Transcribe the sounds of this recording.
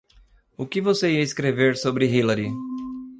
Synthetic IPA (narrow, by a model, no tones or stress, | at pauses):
ʊkɪvoseiɐɪskɾeveɾsobɾɪɦilɐɾi